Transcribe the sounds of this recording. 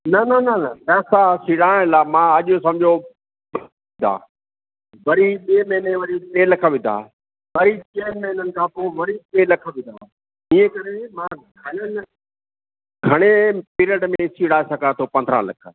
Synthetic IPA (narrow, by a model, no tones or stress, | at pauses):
nɐnɐnɐnɐpɛːsasiɽaːɽ̃laːmãɐʄʊsɐ̃md͡ʑʱo | ɪ̃d̪a̰ː | ʋɐɾiɓeːmɐɦɪneʋɐɾipeːlɐkʰə̆ʋɪ̃nd̪ʱa̰ː | ʋɐɾit͡ɕeːmɐɦɪnənɪ̆kʰãːpoːʋɐɾiɓeːlɐkʰʋɪ̃nd̪ʱa̰ː | iẽkɐɾemãː | ɡɐɽən | ɡʱɐɽ̃epiɾəʈmẽsiːɽaːesɐɡat̪ʰoːpɐ̃nd̪ʱɾə̰̃lɐ̰kʰə